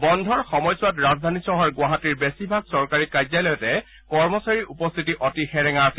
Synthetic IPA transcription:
bɔndʱɔɹxɔmɔjswatɹazdʱanisɔɦɔɹɡwaɦatiɹbesibʱaɡ̚sɔɹkaɹikajzajlɔjɔtɛ | kɔɹmɔsaɹiʔupɔst̪ʰitiʔɔtixɛɹɛŋasi

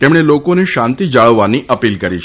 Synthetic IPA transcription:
t̪emɽ̃elokoneʃãnt̪id͡ʒaɭəʋːaniʔəpilkəɾit͡ʃʰ

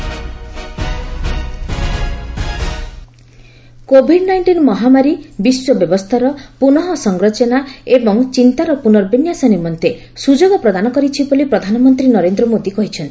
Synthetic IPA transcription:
kobʱiɖnajɳʈinɔmɔɦamaɾibiswɔbjɔbɔst̪ʰaɾɔpunɔɦɔsɔŋɡɾɔt͡ʃɔnaebɔŋt͡ʃint̪aɾɔpunɔɾbinjasanimɔnt̪e | sud͡ʒoɡɔpɾɔd̪anɔkɔɾit͡ʃʰibɔlipɾɔd̪ʱanɔmɔnt̪ɾinɔɾend̪ɾɔmod̪ikɔɦit͡ʃʰɔnt̪ʰi̥

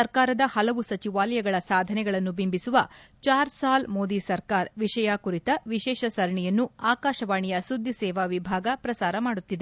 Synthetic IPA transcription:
ɐɾkaːɾɐd̪ɐhɐlɐʋusɐt͡ʃiʋaːlɐjɐɡɐɭɐsaːd̪ʱɐnɛɡɐɭɐnːubimbisuʋɐt͡ʃaːɾsaːlmoːd̪isɐɾkaːɾʋiʂɐjaːkuɾit̪ɐʋiʃɛːʃɐsɐɾɐɳijɐnːuaːkaːʃɐʋaːɳijɐsud̪ʱːisɛːʋaːʋibʱaːɡɐpɾɐsaːɾɐmaːɽut̪ːid̪e

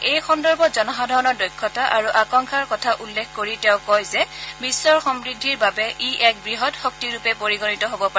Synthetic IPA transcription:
ejxɔndɔɹbɔzɔnɔɦadʱɔɹɔnɔdojkʰːɔtaʔaɹuʔakɔŋkʰaɹkɔtʰaʔulːekʰkoɹiteʊ̃kɔjzɛbisːɔɹxɔmɹidʱːiɹbabɛʔiʔɛk̚bɹiɦɔtxɔk̚tiɹupɛpoɹiɡɔnitɔɦobɔpa

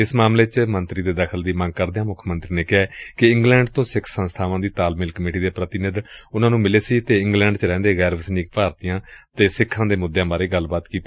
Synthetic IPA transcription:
ɪsmaːmleːt͡ʃmənt̪ɾiːd̪eːd̪əkʰəld̪iːmə̃ŋɡ̚kəɾd̪eãːmʊkʰmənt̪ɾiːneːkɪaːkɪɪ̃ŋɡlɛ̃ːɳɖt̪õːsɪkʰsənst̪ʰaːʋãːd̪iːt̪aːlmɪlkəmeːʈiːd̪eːpɾət̪ɪnɪd̪ʊnãːnũːmɪleːsiːt̪eːɪ̃ŋɡlɛ̃ːɳɖt͡ʃɾɛ̃ːnd̪eːɣɛːɾʋəsniːk̚paːɾt̪ijãːt̪eːsɪkʰːãːd̪eːmʊd̪jãːbaːɾeːɡəlbaːt̪kiːt̪ː

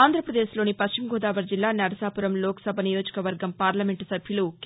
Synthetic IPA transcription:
aːnd̪ɾɐpɾɐd̪eːsloːnipɐst͡ʃimɡʱoːd̪aːʋɐɾd͡ʒilːaːnɐɾɐsaːpuɾɐmloːkɐ̥sɐbʱɐnijo̞ːd͡ʒɐ̥kɐʋɐɾɡɐmpaːɾlɐmeɳʈsɐbʱjuluk

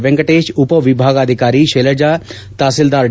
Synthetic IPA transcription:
ʋɛ̃ŋɡəʈeːʃʊpəʋɪbʱaːɡəd̪ʱɪkaːɾiːʃeːləd͡ʒaː | t̪aːsɪld̪aːɾ

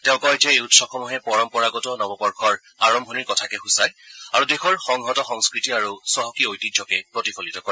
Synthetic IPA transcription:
tɛʊ̃kɔjtɛeutsɔxʰɔmuɦɛpɔɹɔmpɔɹaɡɔtɔnɔbɔpɔɹkʰɔɹ | aɹɔmbʱɔniɹkɔtʰakɛxusajaɹudexɔɹxɔŋɦɔtɔxɔŋskɹitiaɹusɔɦɔkiojtidd͡ʒɔkɛpɹɔtifʰɔlitɔkɔ

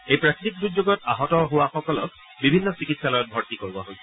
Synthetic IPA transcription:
ejpɹakitik̚duzoɡɔt̚aɦɔtɔɦowaxɔkɔlɔk | bibʱinːɔsikitsalɔjɔt̚bʱɔɹtikoɹibɔ̰ɦojsɛ

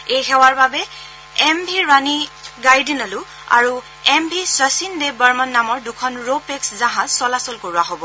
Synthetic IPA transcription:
ejxɛwaɹbabɛ | ɛmbʱiɹaniɡajdinalu | a̰ɹu | ɛmbʱiswasindebaɹmanːamɔɹdukʰɔnɹopɛkszãɦãzsɔlasɔlkoɹuaɦobɔ

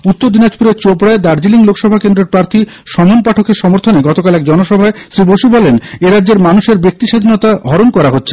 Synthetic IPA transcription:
ut̪ːoɾd̪inad͡ʑpuɾeɾt͡ɕopɾaed̪aɾd͡ʑiliŋlokʰʃɔbʱakend̪ɾeɾpɾaɾt̪ʰiʃɔmonpaʈʰokeɾʃɔmoɾt̪ʰoneɡɔt̪okalɛk̚d͡ʑɔnoʃɔbʱaeʃɾiboʃubɔleneɾadːd͡ʑeɾmanuʃeɾbek̚t̪iʃad̪ʱinɔt̪aɦɔɾonkɔɾaɦotːɕʰe̥

